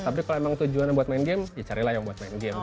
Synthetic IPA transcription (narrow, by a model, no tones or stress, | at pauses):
t̪ap̬ikaloemaŋt̪ud͡ʒuanabuat̪̚maɪnɡemjat͡ʃaɾilahjaŋbuat̪̚maɪnɡɛm